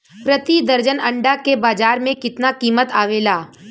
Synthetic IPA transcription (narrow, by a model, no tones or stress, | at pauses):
pɾət̪id̪ɐɾd͡ʒənɐ̃ɳɖakebaːd͡ʒaːɾmẽkɪt̪nakiːmət̪aːʋeːlaː